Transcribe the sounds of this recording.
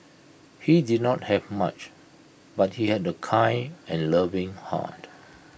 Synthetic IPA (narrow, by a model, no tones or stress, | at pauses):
hidid̚nɔt̚hɛvma̰t͡ʃ | bat̚hihɛdəkʰãɪɛ̃nləvɪ̃ŋha̰t